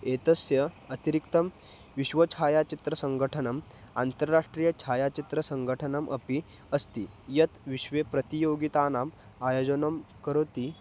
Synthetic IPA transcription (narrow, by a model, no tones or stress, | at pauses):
et̪əsjəɐt̪iɾikt̪ɐm | ʋiɕʋət͡ɕʰajat͡ɕit̪ɾəsəŋɡʱəʈʰənəm | a̰nt̪əɾɾaʂʈɾiːjət͡ɕʰajat͡ɕit̪ɾəsəŋɡʱəʈʰənɐmʔɐ̰pi | ɐst̪i | jɐt̪ʋiɕʋepɾət̪ijoɡit̪anam | ajod͡zənɐmkəɾot̪i